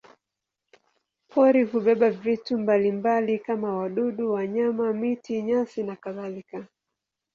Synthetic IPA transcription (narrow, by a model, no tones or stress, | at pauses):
pʰɔɾiɦuɓɛɓavitumbalimbalikamawaɗuɗuwaɲamamitiɲasinakaðalika